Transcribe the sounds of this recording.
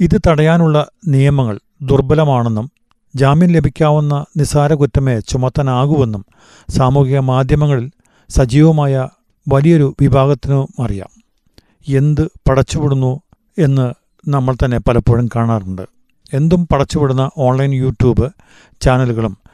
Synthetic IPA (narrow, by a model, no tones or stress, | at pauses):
iðɨt̪ɐɽɐjaːnuɭːɐnijɐmɐŋːɐɭ | d̪urbɐlɐmaːɳe̞nːum | d͡ʑaːmiːnle̞bʱikʲːaːʋunːɐnisaːɾɐkutːɐmet͡ɕumɐt̪ːɐnaːɣuʋe̞nːum | saːmukiɣɐmaːd̪ʱjɐmɐŋːɐɭil | sɐd͡ʑiːʋɐmaːjɐ | ʋɐlijo̞ɾuʋibʱaːɣɐt̪ːinɨmɐrija̰ːm | e̞nd̪ɨpɐɽɐt͡ɕːupiɽunːu | e̞nːɨ | nɐmːɐɭt̪ɐnːe̞pɐlɐpːoːɻɐmkaːɳaːruɳɖɨ̰ | e̞nd̪umpɐɽɐt͡ɕːupiɽunːɐʔo̞ːɳlɐjnjuːʈjuːbɨ | t͡ɕaːnɐluɣɐɭum